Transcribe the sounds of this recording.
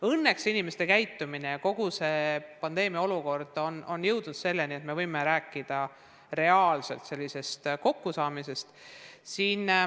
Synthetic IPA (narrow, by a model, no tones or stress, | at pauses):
ɤnːe̞ksinime̞st̪e̞kæjt̪ːˑumineko̞ɡ̥use̞pɑnd̪̥e̞ːmiɑo̞luko̞rd̪̥o̞no̞njɤ̞wd̪̥nud̪̥se̞lːeniet̪me̞vɤjme̞ɾæːkːˑid̪̥ɑ | re̞ɑːlse̞̰lt̪se̞lʲːise̞st̪ko̞kːusɑːmise̞st̪siːn